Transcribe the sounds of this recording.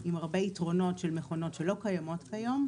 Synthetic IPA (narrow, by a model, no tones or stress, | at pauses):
imaʁbeitʁo̞no̞tʃelmeχo̞no̞tʃelo̞kajamo̞tkajom